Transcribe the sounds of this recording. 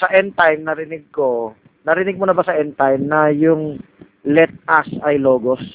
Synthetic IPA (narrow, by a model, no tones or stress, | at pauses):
sɐʔɛnt̪ajmnɐɾɪnɪɡ̚ko̞ | nɐɾɪnɪɡ̚mʊnɐbɐsɐʔɛnt̪ajmnɐjʊŋ | lɛt̪̚ʔasɐjlo̞ːɡo̞s